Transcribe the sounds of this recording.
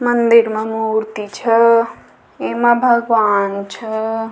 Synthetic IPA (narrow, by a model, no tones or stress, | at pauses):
mənd̪iɾmemuɾt̪it͡ʃʰɐ | emãbʱəɡʋaːnt͡ʃʰə